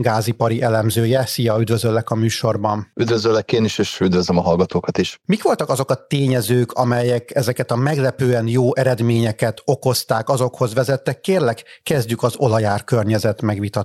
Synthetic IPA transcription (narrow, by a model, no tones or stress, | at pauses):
ɡaːzipɒɾiʔɛlɛmzøːjɛsijɒyd̪vøzølːɛkɒmyːʃo̞rbɒnyd̪vøzølːɛkeːniʃeːʃyd̪vøzlɛmɒɦɒlɡɒt̪oːkɒt̪iʃmikʋo̞lt̪ɒkɒzo̞kɒt̪eːɲɛzøːkʰɒmɛjɛkɛzɛkɛt̪ɒmɛɡlɛpøːɛnjoːʔɛɾɛd̪meːɲɛkɛt̪o̞ko̞st̪aːkɒzo̞kho̞zʋɛzɛt̪ːɛkːeːrlɛkːɛzɟykɒzo̞lɒjaːrkørɲɛzɛt̪mɛɡʋit̪ɒt̪